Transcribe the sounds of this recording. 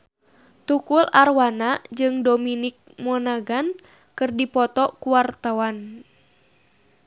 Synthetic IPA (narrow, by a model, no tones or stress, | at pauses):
t̪ukularwanad͡ʒɨŋdominik̚mɔnaɡan | kɨrdipɔt̪ɔkuwart̪awan